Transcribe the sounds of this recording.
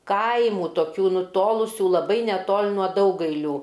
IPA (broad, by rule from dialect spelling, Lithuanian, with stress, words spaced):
ˈkɐɪmuː toːˈkʲuː nʊˈtoːlˠʊsʲuː lˠɐˈbɐɪ nʲɛˈtoːlʲ nuɔ ˈdɐʊɡɐɪlʲuː